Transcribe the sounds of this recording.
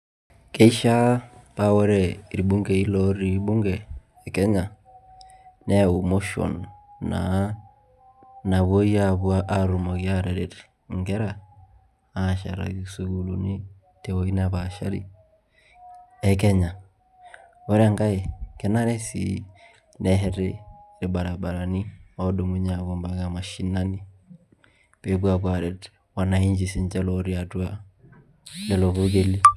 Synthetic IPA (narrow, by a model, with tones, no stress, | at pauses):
kɛ˦i˦ʃa˦pa˦wɛ˦ɾɛ˦˨ɾi˨bu˦ŋɡɛ˨i˦lɔ˦ɾi˨˦ɓu˦ŋɡɛː˨ | kɛ˦ɲa˨ | nɛ˦˨u˨mo˦ʃɔ̰˨nːa̰˨˦ | na˨βwo˦i˦a˦˨βu˦a˦ʔa˦ɾu˨mo˨ki˦a˦˨ɾɛ˨ɾɛ˨t | ŋɡɛ˦ɾa˨ | a˨ʃa̰˨ɾa̰˨ɡi˨su˨ɡu˨lu˨ni˦ | tɛ˨wo˦i˦na˨ba˨ʃa˦ɾḭ˨ | ɛ˦kɛ˦ɲa˨ | wo˦ɾa˦ŋɡa˦e˨kɛ˨na˦ɾɛ˦sḭ | nɛ˦ɦɛ˦ɾe˦ɾi˨ba˨ɾa˨ba˨ɾa˨ni˦a˨˦do˨mu˦ɲa˨ɡo˨mba˨ɡa˨ma˨ʃi˨na˦ni˦ | pe˨˦bu˦a˨kwa˨ɾɛ˨t | wa˨na˨i˦ɲd͡ʒi˨si˨ɲd͡ʒɛ˦lɔ˦ɾi˦a˨tu˦a˦ | lɛ˨lo˨βu˦ɡe˦li˦